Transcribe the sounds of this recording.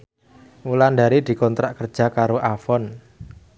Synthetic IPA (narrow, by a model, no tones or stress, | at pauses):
wulandaɾid̪̥i̤kɔnt̪ɾaʔkər̥ʒ̥a̤kaɾoʔafɔn